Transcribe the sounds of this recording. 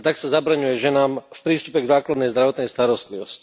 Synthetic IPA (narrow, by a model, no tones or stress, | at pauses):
t̪aksazabɾaɲujɛʒɛnaːmfpɾiːst̪upɛɡzaːklad̪nɛjzd̪ɾaʋɔt̪nɛjst̪aɾɔst̪liʋɔsci̥